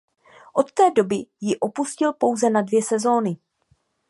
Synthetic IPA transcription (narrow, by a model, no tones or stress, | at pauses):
ʔo̞t̪ːɛːdo̞bɪjɪʔo̞puscɪlpo̞wzɛnadvjɛsɛzo̞ːnɪ